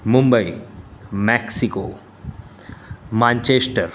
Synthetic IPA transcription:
mʊmbəi | mɛksikoː | mãːnt͡ʃesʈəɾ

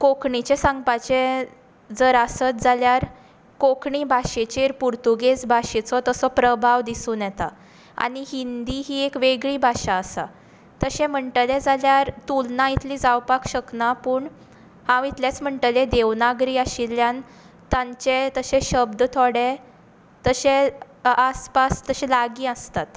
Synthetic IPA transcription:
kokɳit͡ɕesãŋɡpat͡ɕẽ | d͡zəɾasət̪̚d͡zaljaɾ | kokɳiːbʱaɕet͡ɕeɾpuɾt̪uɡed͡zbʱaɕet͡sɔt̪əsɔpɾəbʱaʋd̪isuːnjɛt̪a̰ | a̰ɽ̃iɦind̪iɦiːekʋeɡɭiːbʱaɕaːsa̰ | t̪əɕɛ̃m̤əɳʈəlẽd͡zʱaljaɾt̪ulnait̪liːd͡zawpakɕəknapuːɳ | hãwit̪ljat͡sm̤əɳʈəled̪eʋnaɡɾiːaɕiljan | t̪ãɲt͡ɕet̪əɕeɕəbd̪t̪ʰoɽɛ | t̪əɕe | aspast̪əɕɛlaɡiːəst̪at̪

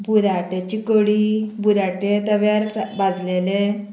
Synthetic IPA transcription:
bud̪ʱaʈet͡ɕikəɽibud̪ʱaʈet̪əʋjaɾbʱad͡zlele

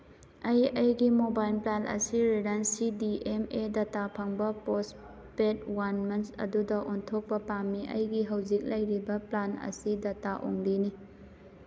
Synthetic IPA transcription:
ɐjɐjɡimobajlplalʔɐ̰siɾiɾɐnsidiʔemedɐtapʰɐŋbɐpos | pet̚wanmɐnsɐ̰dudɐʔontʰok̚pɐpamːiʔɐjɡiɦɐwzik̚lɐjɾibɐplanɐ̰sidɐtaʔo̰ŋlini

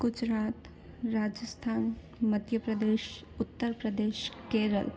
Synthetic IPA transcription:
ɡ̥ʊd͡ʒɾaːt̪ | ɾaːd͡ʒəst̪ʰaːn | mɐd̪ʱjəpɾəd̪eːʃ | ʊt̪ːəɾpɾəd̪eːʃkeːɾə̰l

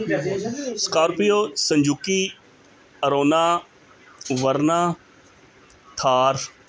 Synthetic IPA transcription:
skaːɾpijoːsə̃ɲd͡ʒukiː | əɾoːnaː | ʋəɾnaː | t̪ʰaːɾ

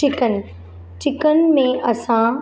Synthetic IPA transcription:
ɪkən | t͡ʃɪkənmẽʔɐsã

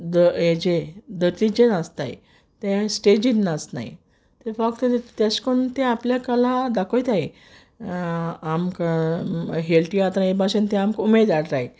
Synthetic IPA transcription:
d̪əed͡ʑed̪əɾt̪id͡ʑenast̪aj̰ | t̪ɛ̃sʈed͡ʑinːasna̰j̰ | t̪eɾfakt̪t̪askoɳt̪ɛ̃apljakalad̪akoit̪aɦe | amk | ɦelʈ̪iat̪ãebaɕent̪ɛ̃amkumed̪aɽɾae

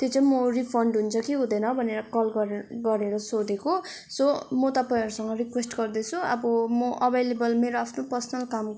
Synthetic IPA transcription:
t̪jet͡sʌĩmoripʰʌɳɖɦunt͡sʰʌkiɦũd̪ʌjnʌbʱʌneɾʌkʌlɡʌɾɡʌɾeɾʌsod̪eko | somot̪ʌpʌj̃ʌɾusʌŋɡʌrikwesʈɡʌrd̪et͡sʰuʌ̰bʌmʌʔʌbʱelebʌlmeɾoapʰnopʌrsʌnʌlkam

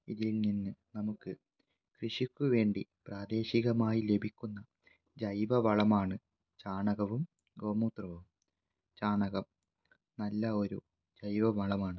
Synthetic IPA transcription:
ḭðilninːɨnɐmukːɨ | krɨʂikʲːuʋe̞ːɳɖipraːd̪e̞ːɕiɣɐmaːjile̞bʱikʲːunːɐ | d͡ʑɐjʋɐʋɐɭɐmaːɳɨ | t͡ɕaːɳɐɣɐʋum | ɡo̞ːmuːt̪rɐʋum | t͡ɕaːɳɐɣɐm | nɐlːɐo̞ɾṵ | d͡ʑɐjʋɐʋɐɭɐmaːɳɨ

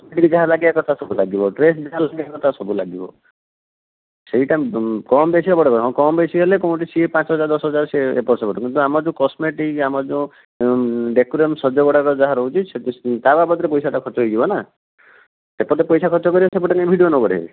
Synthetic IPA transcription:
kɔsmeʈikd͡ʒaɦalaɡiakɔt̪ʰasɔbulaɡibɔʈɾesd͡ʒaɦalaɡiakɔt̪ʰasɔbula̰ɡibɔ̰ | seɦiʈakɔmbesiɔbɔɽakɔɾɦɔ̃kɔmbesiɦelekɔw̃ʈisiepãt͡ʃɔɦɔd͡ʒaɾd̪ɔsɦɔd͡ʒaɾseḛpɔɾsɔpɔʈɔ̃kint̪uamad͡ʒũkɔsmeʈikamad͡ʒũ | ɖekuɾemsɔd͡ʒɔbɔɽakɔd͡ʒaɦaɾɔɦut͡ʃʰiset̪t̪ababɔt̪ɾepɔjsʰaʈakʰɔɾt͡ʃɔɦojd͡ʒibɔna | sepɔɾt̪epɔjsʰakʰɔt͡ʃɔkɔɾibɔsep̬ɔʈakebʱiɖionɔbɔɽḛ

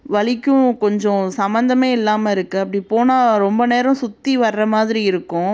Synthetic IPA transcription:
ʋɐɭɪkːʊ̃kɔɲd͡ʒɔ̃sɐmbɐnd̪ɐmeːɪlːaːmɐɪɾɯkːɯɐpːɐɽipoːnaːɾɔmbɐneːɾɐ̃sʊt̪ːiʋɐɾːɐmaːðɪɾiɪɾɯkːʊ̃

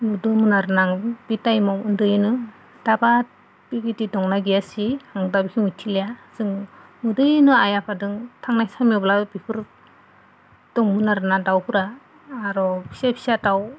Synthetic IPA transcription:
mɯdɯmɯnaɾɯnaŋb̥itajmɔwɯndɯjnɯ | d̥aba | b̥iɡitidɔŋnaɡijasihaŋdabikʰimɯtʰilejaz̥ɯŋmɯdɯjnɯajapʰadɯŋtʰaŋnajsamiblabipʰɯɾ | d̥ɔŋmɯnaɾɯnadawpʰɯɾaː | ɾɔsepʰi̥sataw

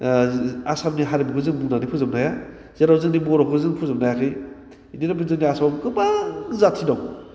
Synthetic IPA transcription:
asamniɦaɾibikuzɯŋmuŋnanipʰuzam̚naja | z̥eɾawzɯŋnimɔɾɔkuzɯŋpʰuzamnajakʰɯj | iniɾabizɯŋniasabkɯbazatʰidaw

